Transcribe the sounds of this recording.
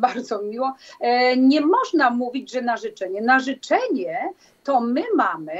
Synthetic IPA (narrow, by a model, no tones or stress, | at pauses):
baɾd̪zɔmʲiwɔ | ɲɛmɔʐnamuvʲid͡ʑʐɛnaʐɘt͡ʂɛɲɛnaʐɘt͡ʂɛɲɛ | t̪ɔmɘmamɘ